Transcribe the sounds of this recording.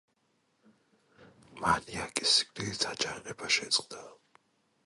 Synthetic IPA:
maniakʼisi̥kliisʰat͡ʃʼaʁɛbaʃɛt̪sʼqʼd̪a

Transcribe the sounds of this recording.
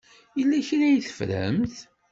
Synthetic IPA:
əlːæçɾæjθə̥fɾə̰mθ

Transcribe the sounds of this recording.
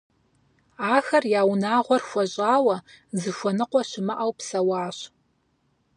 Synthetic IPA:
aːxɐrjaːwnaːʁʷɔrxʷɐɕʼaːwɐ | zɨʃʷɔnɨqʷɔɕɪmɨʔɐwpsɐwaːɕ

